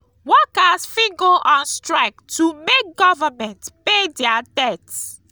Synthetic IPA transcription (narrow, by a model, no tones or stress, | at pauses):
wɔkasfĩɡoʔɔ̃nstɹaɪk̚tʰumek̚ɡɔvamɛ̃ntpedɛadɛt